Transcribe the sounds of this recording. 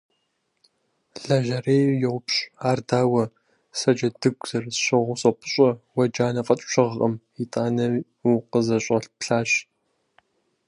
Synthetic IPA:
ɮɐʒɐreːjjɛwʷʊpɕʼaːrdaːwɐ | sɐd͡ʒɐdɨɡʷz̥ɐrzɕɐʁʷʊɕʼɐpʰʊɕʷʼɐwɐd͡ʒaːnɐfʼɐt͡ʃʼɕɐʁɐm | itʼaːnɐ | uqəzɐɕʷʼɐɬpɬaːɕ

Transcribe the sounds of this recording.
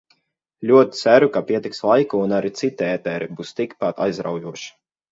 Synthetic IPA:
lʲuɔt̪ʲi̥t̪sæɾukapʲiɛt̪ikslˠajkuːnaɾit̪sit̪ʲɛɛt̪ɛːɾɛbust̪ikpat̪a̰jzɾa̰wjuɔʃi̥

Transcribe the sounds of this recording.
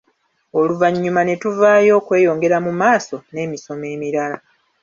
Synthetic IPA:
o̞luvaɲːumane̞tuvaːjo̞ːkwe̞ːjo̞ːŋɡe̞ɾamumaːso̞ne̞ːmiso̞me̞ːmiɾala

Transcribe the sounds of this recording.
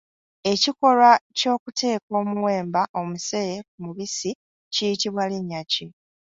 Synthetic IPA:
e̞ciko̞lwaco̞ːkute̞ːko̞ːmuwe̞ːmbaʔo̞muse̞jek̚umuβisi | cijitiβwaliɲːaci

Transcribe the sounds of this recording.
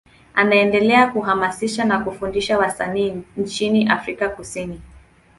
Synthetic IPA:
anaɛndɛlɛakuɦamasiʃanakufundiʃawasaniːnt͡ʃiniʔafɾikakusini

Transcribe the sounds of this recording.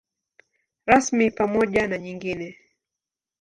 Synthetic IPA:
ɾasmipamɔʄanaɲiŋɡinɛ

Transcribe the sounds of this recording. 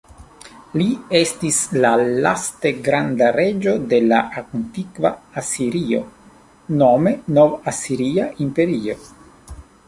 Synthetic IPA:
lie̞stislalaste̞ɡɾand̪aɾe̞d͡ʒo̞d̪e̞la̰ʔakontikvaːsiɾio̞̰ | nome̞novasiɾiaʔimpe̞ɾio̞

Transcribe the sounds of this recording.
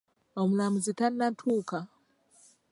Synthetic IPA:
omulamuzitanːatʰuːka

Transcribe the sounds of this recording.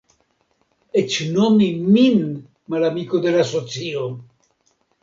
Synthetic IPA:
et͡ʃnomimin | malamikod̪elasot͡sio

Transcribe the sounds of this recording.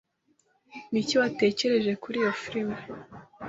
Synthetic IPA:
niciwate̞ːce̞ɾe̞ʒe̞kuɾijo̞fiɾime

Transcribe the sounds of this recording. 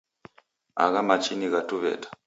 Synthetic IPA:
a̰ɣamat͡ʃiniɣatuβɛ̰tḁ

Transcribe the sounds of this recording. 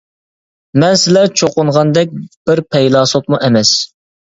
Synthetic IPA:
mɛnsɪlɛt͡ʃʰoqʊɴʁɑnd̪ɛk̚ʲb̥ɪɾpʰɛjlˠɑːsot̪̚muʔɛmɛs

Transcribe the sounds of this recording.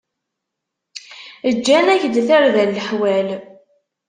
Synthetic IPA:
əd͡ʒːænæçd̪θəɾðælːəħwæl

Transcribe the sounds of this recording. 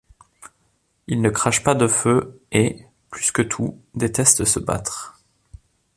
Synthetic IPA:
ilnəkχaʃpad̪əføe | plyskət̪ʰud̪et̪ɛst̪əsəba̰t̪χ

